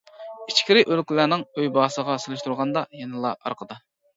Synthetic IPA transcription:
it͡ʃkʲiɾɪʔølkʲlænɪŋøjbɑːsəʁɑselˠɪʃt̪ʰuɾʁɑnd̪ɑjɛnɨlˠɑɑ̰ɾqʰəd̪ɑ

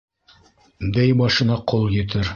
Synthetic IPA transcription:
d̪æjbɑʃɤ̆nɑqʰolˠjɘ̆t̪ɘɾ

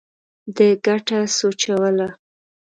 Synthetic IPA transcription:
d̪əɡaʈasot͡ʃawəla

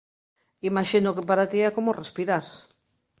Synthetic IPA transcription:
imaʃinʊkepaɾat̪iɛkomʊrespiɾaɾs

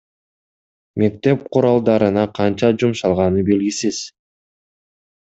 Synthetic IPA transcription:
me̞k̚t̪e̞p̚qʰuɾɑlˠd̪ɑɾɯnɑqʰɑnt͡ʃɑd͡ʒumʃɑlˠʁɑnɯbe̞lɡisiz̥

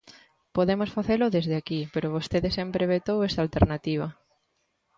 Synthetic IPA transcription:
poðemosfaθelʊðezðeakipeɾoβost̪eðesɛmpɾeβet̪owesalt̪eɾnat̪iβ̞ɐ

